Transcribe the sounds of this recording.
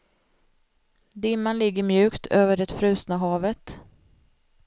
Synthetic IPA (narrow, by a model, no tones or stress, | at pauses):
d̪ɪmːanlɪɡːəɾmjʉ̟ːkt̪ʰøːvəɖɛt̪fɾʉ̟ːsnaɦɑːvət̪